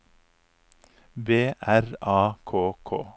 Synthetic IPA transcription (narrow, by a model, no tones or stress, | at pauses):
beːʔæɾɑːkʰoːkʰo̰ː